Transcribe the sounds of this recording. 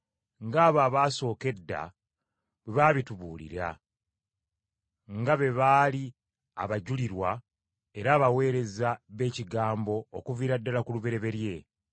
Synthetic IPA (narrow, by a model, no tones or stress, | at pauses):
ŋɡaːβaːβaːso̞ːke̞dːa̰ | weβaːβituβuːlḭɾa̰ | ŋɡaβe̞βaːli | a̰βaɟuliɾwa | e̞ɾaːβawe̞ːɾe̞zaβe̞ːciɡaːmbo̞ːkuviːɾadːalakuluβe̞ɾe̞βe̞ɾje̞